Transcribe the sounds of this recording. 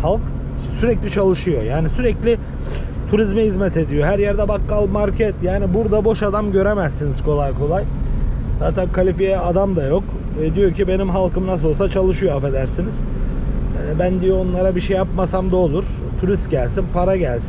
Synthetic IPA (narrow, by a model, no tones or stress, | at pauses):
halˠk | syɾɛclʲit͡ʃʰalˠɯʃɯjo̞jaːnisyɾɛclʲɪ | t̪ʰuɾizmɛɦizmɛt̪ʰe̞d̪ijo̞ɦæɾjæɾd̪ɛbakɡalˠmaɾcʰɛt̪jaːnibuɾd̪abo̞ʃad̪amɟø̞ɾemæzːiniz̥kʰo̞lˠajkʰo̞lˠajzaːt̪ʰænkʰalʲipijɛad̪amd̪ajo̞k | ɛd̪ijo̞ɾcʰibe̞nimɦalˠkʰɯmnas̬olˠsat͡ʃʰalˠɯʃɯjoafe̞d̪æɾsiniz̥ | ɛbænd̪ijoonlˠaɾabiʃɛjːapmasamd̪aolˠuɾ | t̪ʰuɾist̪̚ɟælʲsinpʰaɾaɟælʲsi